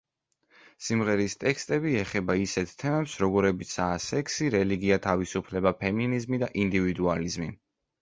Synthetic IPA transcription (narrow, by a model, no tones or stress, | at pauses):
simʁɛɾist̪ʼɛkst̪ʼɛbiɛχɛbaisɛt̪ʰt̪ʰɛmɛpsɾɔɡɔɾɛbit̪sʰaːsɛkʰsiɾɛliɡiat̪ʰavisupʰlɛbapʰɛminizmid̪aʔind̪ivid̪ualizmi